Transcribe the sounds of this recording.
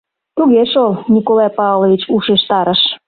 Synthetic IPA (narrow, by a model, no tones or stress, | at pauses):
t̪uɣeʃolnʲikolɑjpɑvlˠoβʲit͡ɕuʃeʃt̪ɑɾə̆ʃ